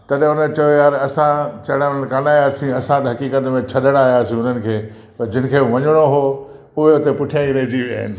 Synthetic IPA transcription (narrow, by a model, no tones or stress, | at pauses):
t̪ɐɗʊnət͡ɕɐjojaːɾɐsãt͡ɕɐɽ̃ãkanaːjaːsĩɐsãt̪ɐɦɐkiːkət̪mẽt͡ɕʰɐɗəɽ̃aːjaːsĩʊn̤ənɪ̆kʰeː | pɐɾd͡ʑɪnɪ̆kʰeːʋɐɲɪɽ̃oɦoː | ʊɦeʊt̪epʊʈʰijãĩɾɐɦed͡ʑiʋjaːɦɪ̰nɪ̆